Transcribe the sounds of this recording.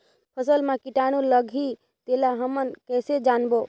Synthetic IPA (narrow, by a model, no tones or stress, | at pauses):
pʰəsəlmãkiʈaɽ̃ũləɡʱi | t̪elaɦəmənkɛːsed͡ʒaːnbo